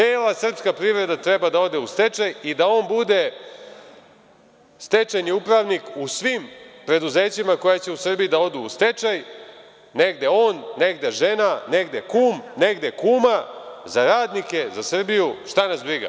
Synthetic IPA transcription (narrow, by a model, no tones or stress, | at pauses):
eːlˠasr̩pskapɾiːʋɾe̞d̪at̪ɾe̞bad̪ao̞d̪eust̪e̞t͡ʃajid̪ao̞ːnbud̪e̞ | st̪e̞t͡ʃaɲeupɾaʋnikusʋimpɾe̞d̪uze̞ːt͡ɕimako̞jat͡ɕe̞usr̩bijid̪ao̞d̪uːst̪e̞t͡ʃaj | ne̞ɡd̪e̞o̞ːnːe̞ɡd̪eʒe̞nane̞ɡd̪e̞kuːmne̞ɡd̪e̞kuːmazaɾaːd̪nike̞zasr̩bijuʂt̪anasbɾiɡa̰